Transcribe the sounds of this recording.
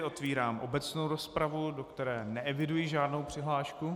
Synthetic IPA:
ʔo̞t̪viːɾaːmʔo̞bɛt͡sno̞wɾo̞spɾavudo̞kt̪ɛɾɛːnɛʔɛvɪdujiʒaːdno̞wpr̥ɪɦlaːʃku

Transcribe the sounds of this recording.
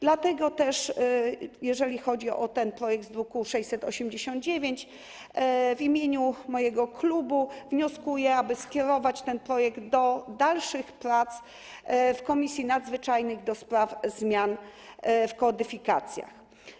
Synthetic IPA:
d̪̥lat̪ɛɡɔt̪ɛʂ | jɛʐɛlʲixɔd͡ʑiɔ̰t̪ɛnpɾɔjɛɡ̚d̪zɾukuʂɛjʲsɛt̪ɔɕɛmd͡ʑeɕɔ̃nd̪̚d͡ʑevʲjeɲt͡ɕ | vimʲjeɲumɔjɛɡɔklubuvɲɔskujɛabɘskʲɛɾɔvat͡ɕt̪ɛnpɾɔjɛɡt̪d̪ɔd̪alʂɘxpɾat̪s | fkɔmʲisʲjinad̪zvɘt͡ʂajnɘɣd̪ɔspɾafzmʲjan | fkɔd̪ɘfʲikat̪sʲja̰x

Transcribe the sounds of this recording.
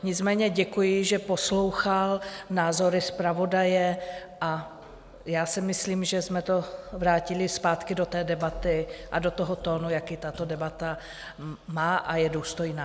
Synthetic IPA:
ɲɪt͡smɛːɲɛɟɛkujɪʒɛpo̞slowxalnaːzo̞ɾɪspɾavo̞dajɛʔa | jaːsɛmɪsliːmʒɛsmɛt̪o̞vɾaːcɪlɪspaːt̪kɪdot̪ɛːdɛbat̪ɪʔadot̪oɦot̪oːnujakit̪at̪o̞dɛbat̪a | maːʔajɛduːst̪o̞jnaː

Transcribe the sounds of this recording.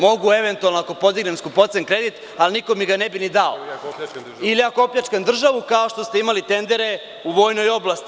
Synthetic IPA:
mo̞ɡue̞ʋe̞nt̪ualnoako̞po̞d̪iɡne̞mskupo̞t̪senkɾe̞d̪it̪ | aliniko̞miɡanebinid̪ao̰ | ilijakopʎat͡ʃkand̪r̩ʒaʋukaoʃt̪ost̪e̞imalit̪e̞nd̪e̞ɾe | uʋo̞ːjno̞jo̞blast̪i

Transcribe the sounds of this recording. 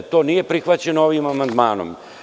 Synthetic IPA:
t̪o̞ːnije̞pɾixʋat͡ɕenooʋimamand̪maːno̰m

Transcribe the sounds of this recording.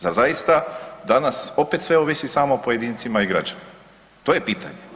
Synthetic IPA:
zaɾzajist̪ad̪anaso̞pet̪sʋeoʋisisaːmopoje̞d̪iːnt̪simaiɡɾad͡ʑani | t̪oːjepiːt̪a̰ɲe

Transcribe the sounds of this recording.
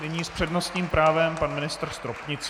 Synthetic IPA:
nɪɲiːspr̝̥ɛdno̞st̪ɲiːmpɾaːvɛmpanmɪnɪst̪r̩st̪ɾopɲɪt͡s

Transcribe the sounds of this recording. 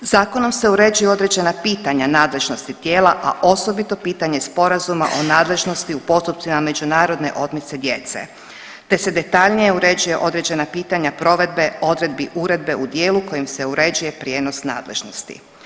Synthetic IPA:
zaːko̞no̞mse̞uɾe̞d͡ʑujeo̞d̪ɾe̞d͡ʑe̞napiːt̪aɲanaːd̪le̞ʒno̞st̪it̪je̞ːlaʔaʔo̞so̞bit̪o̞piːt̪aɲe̞spo̞ɾazuma̰ʔo̞naːd̪le̞ʒno̞st̪iupo̞st̪up̪̚simame̞d͡ʑunaːɾo̞d̪ne̞̰ʔo̞d̪mit̪se̞d̪je̞t̪sḛ | t̪e̞sed̪e̞t̪aʎnije̞uɾe̞d͡ʑuje̞ʔo̞d̪ɾe̞d͡ʑe̞napiːt̪aɲapɾo̞ʋe̞d̪̚beo̞d̪ɾe̞d̪biʔuɾe̞d̪̚be̞ud̪jeːluko̞jimse̞uɾe̞uje̞pɾje̞ːno̞sna̰ːd̪le̞̰ʒno̞st̪ḭ

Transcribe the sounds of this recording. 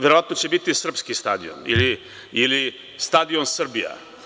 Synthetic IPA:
ʋeɾoʋat̪not͡ɕebit̪isr̩pskist̪a̰d̪io̰nḭli | ili | st̪ad̪ionsɾbija̰

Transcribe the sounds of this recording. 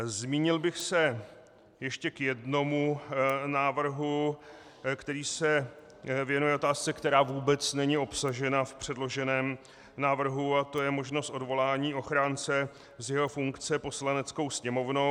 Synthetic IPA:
zmiːɲɪlbɪxsɛ | jɛʃcɛkjɛdno̞munaːvr̩ɦu | kt̪ɛɾiːsɛ | vjɛnujɛʔo̞t̪aːst͡sɛkt̪ɛɾaːvuːbɛt͡snɛɲio̞psaʒɛnafpr̝̥ɛdlo̞ʒɛnɛːm | naːvr̩ɦuat̪o̞jɛmo̞ʒno̞st̪o̞dvo̞laːɲiːʔo̞xɾaːnt͡sɛ | zjɛɦo̞fuŋkt͡sɛpo̞slanɛt͡sko̞wsɲɛmo̞vno

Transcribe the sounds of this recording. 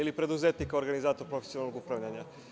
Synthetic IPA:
ilipɾe̞d̪uzet̪nikaoɾɡanizaːt̪oɾpɾofe̥siolnːloɡupɾaʋʎaɲa

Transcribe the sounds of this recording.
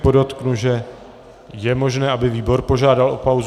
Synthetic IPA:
podot̪knuʒɛ | jɛmo̞ʒnɛːʔabɪviːbo̞ɾpo̞ʒaːdalʔopawz

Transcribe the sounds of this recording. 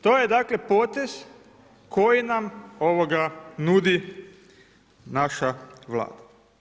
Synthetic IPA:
t̪oːjed̪aːkle̞po̞ːt̪e̞z̥ | kojinamo̞ʋoɡanud̪i | naʃaʋla̰ːd̪a

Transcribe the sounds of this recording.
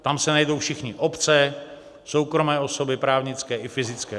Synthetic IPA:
t̪amsɛnajdowfʃɪxɲɪʔo̞pt͡sɛ | so̞wkɾo̞mɛːo̞so̞bɪpɾaːvɲɪt͡skɛːʔɪfɪzɪt͡skɛː

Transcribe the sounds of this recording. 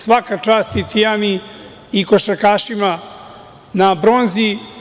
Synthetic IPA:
sʋakat͡ʃaːst̪it̪ʰijami | ikoʃakaːʃima | nabɾonzi

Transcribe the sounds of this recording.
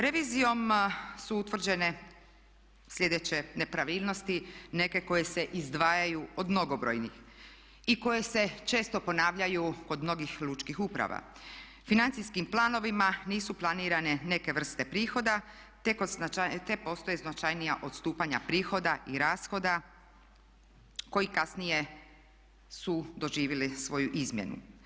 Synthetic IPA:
ɾe̞ʋiːzijo̞msuut̪ʋr̩d͡ʑe̞ne̞ | slʲʎe̞d̪et͡ɕe̞ne̞pɾaʋiːlˠno̞st̪ine̞ke̞ko̞je̞se̞ʔizd̪ʋaːjajuo̞d̪mno̞ɡo̞bɾo̰jnḭx | iko̞je̞se̞t͡ʃe̞ːst̪o̞po̞naːʋʎajuko̞d̪mno̞ɡixlˠut͡ʃkixupɾa̰ʋa̰ | finant̪sijskimplˠaːno̞ʋimaniːsuplˠaniːɾane̞ne̞ke̞ʋr̩st̪e̞pɾiːxo̞d̪a | t̪ekoat̪epo̞st̪o̞jeznat͡ʃajnijaʔo̞t̪st̪uːpaɲapɾiːxo̞d̪aʔiɾaːsxo̞d̪a | ko̞jikasnije̞ | sud̪o̞ʒiːʋilisʋo̞juʔizmʲje̞̰nṵ

